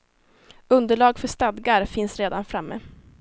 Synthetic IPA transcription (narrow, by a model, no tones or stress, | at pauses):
ɵnd̪əɭɑːɡfœʂt̪ad̪ɡaɾfɪnsɾeːd̪anfɾamːḛː